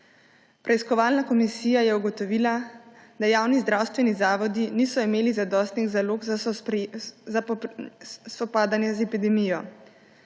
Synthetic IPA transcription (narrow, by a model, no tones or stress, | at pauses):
pɾɛiskɔʋaːlnakɔmisiːjajɛuɡɔt̪ɔʋiːlad̪ajaːwnizd̪ɾaːwst̪ʋɛnizaːʋɔd̪iniːsɔimeːlizad̪ɔːst̪niɣzaloːɡza | za | sɔpaːd̪anjɛzɛpid̪ɛmijɔ